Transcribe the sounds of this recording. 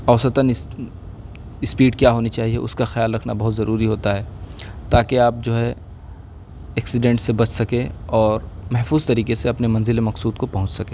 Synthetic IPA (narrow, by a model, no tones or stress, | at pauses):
ɐʊsət̪ənɪ | ɪspiːʈkjaːɦoːnit͡ʃaːɦiɛʊskaxɪjaːlɾɐkʰnabɐɦʊt̪zɐɾuːɾiɦoːt̪aɦɛːt̪aːkeaːp̚d͡ʒoːɦɛ | ɛːksɪɖẽːɳʈsebɐt͡ʃʰsɐkẽɔːɾmɛɦfuːz̥t̪ɐɾiːkeseɐpnemɐ̃nzɪlemɐqsuːd̪̚kopɐɦʊ̃t͡ʃsɐkẽː